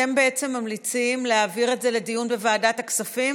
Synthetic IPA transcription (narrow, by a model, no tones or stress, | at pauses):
e̞mbe̞et͡se̞mːamlit͡simleaːviʁe̞tze̞le̞dijunbe̞vaːdataksafim